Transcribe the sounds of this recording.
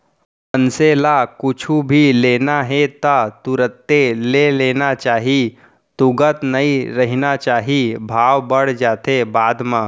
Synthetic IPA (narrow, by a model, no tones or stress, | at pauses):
ənselakʊt͡ʃʰubʱileːnaɦet̪at̪ʊɾət̪ːeleleːnat͡ʃaːɦi | t̪ʊɡət̪nɐiɾɐɦnat͡ʃaːɦibʱaːwbəɽ̤d͡ʒaːt̪ebaːd̪mãː